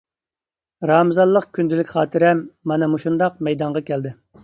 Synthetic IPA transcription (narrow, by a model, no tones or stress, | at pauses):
ɾɑːmɨzɑlˠːəqkʲʰynd̪ɪlɪkʲχɑːt̪ʰɨɾɛmːɑnɨmuʃund̪ɑq̚mɛjd̪ɑɴʁɑkʲʰɛld̪ɪ